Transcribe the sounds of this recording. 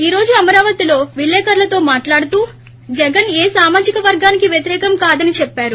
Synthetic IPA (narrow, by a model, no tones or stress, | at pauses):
iːɾo̞ːd͡ʒuɐmɐɾaːʋɐt̪ilo̞ːʋilːɛːkɐɾlɐt̪o̞ːmaːʈlaːɽut̪uː | d͡ʒɛɡɐneːsaːmaːd͡ʒikɐʋɐɾɡaːnikiʋjɐt̪iɾɛːkɐmkaːd̪ɐnit͡ʃɛpːaːɾu